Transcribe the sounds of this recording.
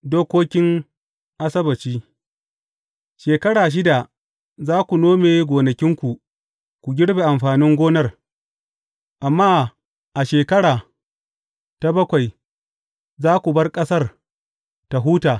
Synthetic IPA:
doː˦kʷoː˦kʲɪ˦ŋ | ʔa˦sɐ˦bɐ˨t͡ʃiː˦ | ʃeː˨kɐ˦ɽaː˨ʃ̬ɪ˦da˨ | zaː˦kʷu˨noː˦meː˨˦ɡʷoː˨nɐ˨kʲɪ˦ŋkʷu˨ | kʷu˨ɡʲɪ˦ɽbeː˨ʔa˨mɸaː˨nɪ˦ŋɡʷoː˦nɐ˦r | ʔa˨mːaː˦ | ʔa˨ʃeː˨kɐ˦ɽaː˨ | ta˦bɐ˦kʷa˨j | zaː˦kʷu˨bɐ˦rkʼɐ˦sɐ˦r | ta˨ɦuː˦taː˨

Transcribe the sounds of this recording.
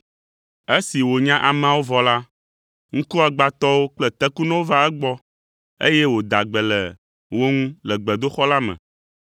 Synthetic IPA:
e˦si˨wo˨ɲã˦ʔa˨m̃˦˨ã˦˨wo˦vɔ˨la˦ | ŋ̩̃˦ku˦a˨ɡ͡ba˨t̪ɔ˦wo˦k͡plɛ˦t̪ɛ˦ku˦nɛ̃˦wo˦va˦ɛ˦ɡ͡bɔ˦ | ḛ˦jɛ˦wo˨d̪a˨ɡ͡bɛ˨lɛ˨ | wo˦ŋũ˦lɛ˨ɡ͡bɛ˨d̪o˦xɔ˦la˦mɛ̰̃˨

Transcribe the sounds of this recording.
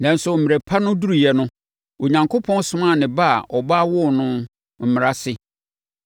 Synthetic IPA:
nã˨n̩˦sʊ˨m̩˨mɪ̃˨ɾe˨pʰa˦nʊ̃˦du˦ɾu˨jɛ˨nʊ̃˦ | o˨ɲã˨ŋkʰo˦pʰɔ̃˦n˦sʊ̃˦mã˦˨nɪ̃˨ba˦a̰˨ʔɔ˨baː˦wʊ˦˨nʊ̃˦ | m̩˨mɪ̃˨ɾa˦sɪ˦

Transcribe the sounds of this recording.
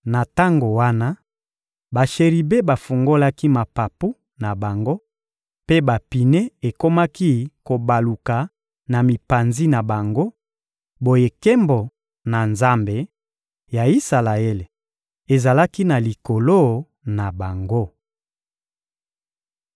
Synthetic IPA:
na˨ta˦ŋɡo˨wa˦na˦ | ba˨ʃe˨ʁi˨be˦ba˨fu˨ŋɡo˦la˦ki˦ma˨pa˨pu˦ | na˨ba˨ŋɡo˦ | pe˦ba˨pi˨ne˦e˨ko˦ma˦ki˦ko˨ba˨lu˨ka˨ | na˨mi˨pa˨nzi˦na˨ba˨ŋɡo˦ | bo˨je˨ke˦mbo˨ | na˨nza˦mbe˨ | ja˨i˦sa˨la˨e˦le˨ | e˨za˨la˦ki˦na˨li˨ko˨lo˦ | na˨ba˨ŋɡo˦

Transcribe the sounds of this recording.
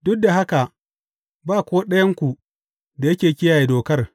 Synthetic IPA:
dʊ˦k̚da˨ɦa˦ka˨ | baː˦˨kʷoː˦ɗɐ˦jɐ˦ŋkʷu˨ | da˨jɐ˦kʲeː˨kʲɪ˦jaː˨je˨doː˨kɐ˦r

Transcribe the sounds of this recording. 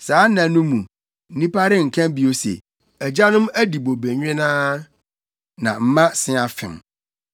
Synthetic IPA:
saː˨˦nã˨˦nũ˦mũ˨ | n̩˦nĩ˦pa˦ɾɪ˦ŋ̩˨kʰã˦mbi˨o˦sḛ˨ | æ˨d͡ʑa˦nʊ̃˦mæ˦di˨bo˨bæ˨ɲᶣ˦ɛ̃˦nãː˦ | nã̰˨m̩˦mã˦sɪ̃˦a˨fɪ̰̃˨m

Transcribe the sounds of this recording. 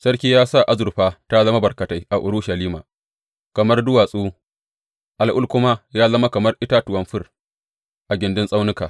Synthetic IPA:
sɐ˦rkʲiː˦jaː˦sa˦˨ʔa˦zʊ˨ɾɸaː˦ta˦zɐ˦ma˦bɐ˨rkɐ˨ta˦jʔa˨ʔʊ˨ɾʊ˦ʃɐ˨liː˦maː˨ | kɐ˨mɐ˦rdʊ˦waː˨sʼuː˦ | ʔa˨lʔʊ˦lkʷʊ˦ma˦jaː˦zɐ˦ma˦kɐ˨mɐ˦rʔɪ˦ta˦tʊ˨wɐ˦mɸɪ˦r | ʔa˨ɡʲɪ˨ndɪ˦nsʼa˦wnɪ˦kaː˨

